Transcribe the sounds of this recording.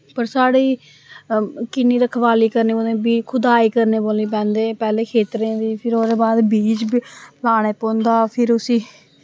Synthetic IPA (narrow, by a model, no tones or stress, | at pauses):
pəɾsaːɽiː | kɪniːɾəkʰʋaːliːkəɾneːboːẽːbiːkʰʊd̪aːiːkəɾneːboːliːp̬ɛ̃ːnd̪eːpɛːleːkʰeːt̪ɾẽːd̪iːpʰɪɾoːd̪eːbaːd̪biːt͡ʃbplaːɽ̃eːpõːnd̪aːpʰɪɾʊsĩː